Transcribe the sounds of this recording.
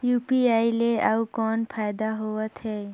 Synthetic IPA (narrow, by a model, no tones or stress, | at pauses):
jupiaileaukɔːnpʰaːjd̪aɦoət̪ɦɛː